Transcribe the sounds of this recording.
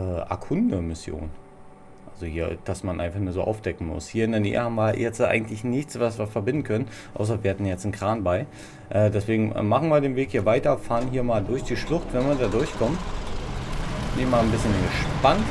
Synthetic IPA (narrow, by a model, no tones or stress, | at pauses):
ʔɛːʔa̰kʰʊndəmɪsjo̰ːn | ʔalzohiːɐd̥asmanʔa̰ɪnfaχnuːɐzo̰ːʔa̰ʊfd̥ɛkŋ̩mʊ̰shiːɐɪndɛːɐnḛːə̰haːbm̩viːɐjɛt͡stʔa̰ɪɡŋ̩tlɪçnɪçt͡sv̥as̬v̥iɐfɛɐbɪndn̩kʰœnən | ʔa̰ʊs̬ɐviːɐhatn̩jjɛt͡sn̩kʁ̥aːnbaɪ | ʔɛːdɛsv̥eːɡŋ̩̰maχn̩viːɐdeːnveːkhiːɐvaɪtɐfaːʁnɦiːɐmaːldʊɐçd̥iːʃlʊχtvɛnviːɐdaːdʊɐçkʰɔmən | bɪnɪçmaːlnbɪsçənɡəʃpant